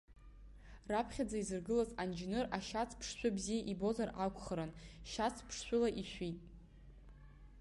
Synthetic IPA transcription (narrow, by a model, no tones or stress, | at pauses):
rapʰχʲad͡zaizɨrɡɨlazand͡ʒnɨraʃat͡sʰpʰʂʃʷᶣʊbzijaʔibo̞zarʔakʷʰʼχəɾanʃat͡sʰpʰʂʃʷᶣʊlaʔiʃʷᶣitʼ